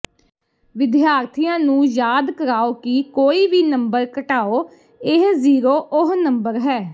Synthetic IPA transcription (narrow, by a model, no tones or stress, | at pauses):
ʋɪd̪jaːɾt̪ʰijãːnũːjaːd̪kəɾaːoːkikoːiːʋiːnəmbəɾkəʈaːoː | ɪɦziːɾoːʔʊɦnəmbəɾɦɛː